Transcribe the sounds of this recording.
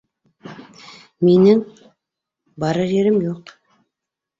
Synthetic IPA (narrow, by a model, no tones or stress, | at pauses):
me̞nɪŋ | bɑɾəʒe̞ɾɪmjoq